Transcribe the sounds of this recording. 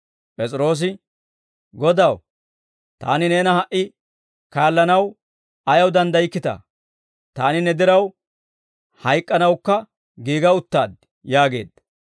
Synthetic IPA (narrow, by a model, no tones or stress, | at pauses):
pʼɛt͡sʼɪɾo̞ːs̬ɪ | ɡɔd̪ɐw | t̪a̰ːnɪne̞ːnɐhɐʔɪ | kaːlːɐnɐw | ɐjɐwd̪ɐnd̪ɐɪkːɪt̪ɐ̰ | t̪aːnɪnɛd̪ɛɾɐw | hɐjkʼːɐnɐwkːɐ | ɡiːɡɐʊt̪ːaːd̪ | jaːɡe̞̰ːd̪